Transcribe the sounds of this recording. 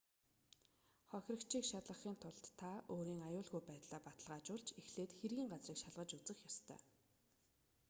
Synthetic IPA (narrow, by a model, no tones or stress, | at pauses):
χɔxʲrə̆kt͡ɕʰiːkʃat̪ɮə̆χiːnt̪ʰʊɮt̪ʰːaoːɾiːŋajʊːɮɣujpæːt̪ɮaːpat̪ə̆ɮʁaːt͡ɕʊɮt͡ɕexɮeːt̪xerɣʲiːŋɢat͡sriːkʃaɮʁə̆t͡ɕut͡sɘ̆xjɔst̪ʰœ̰ː